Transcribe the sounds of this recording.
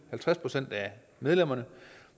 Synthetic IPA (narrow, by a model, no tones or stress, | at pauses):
hælt͡sʰʁaspʰʁo̝sen̰d̥æ | með̞ˠlem̰ɐnə